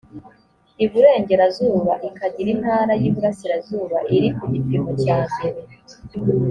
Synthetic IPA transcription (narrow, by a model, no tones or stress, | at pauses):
iβuɾe̞ːŋɟe̞ɾazuːβaʔikʰaɟiɾin̥haːɾajiːβuɾasiɾazuːβaʔiɾikuɟipimocaːne